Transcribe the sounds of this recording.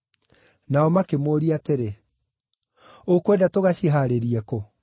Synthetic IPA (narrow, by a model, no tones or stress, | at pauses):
naɔmakemoːɾiateɾe | okwɛdatoɣaɕiɦaɾeɾiɛko